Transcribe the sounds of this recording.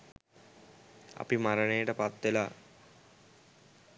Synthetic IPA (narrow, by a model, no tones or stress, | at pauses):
a̰pimaɾəɳejəʈəpat̪ʋela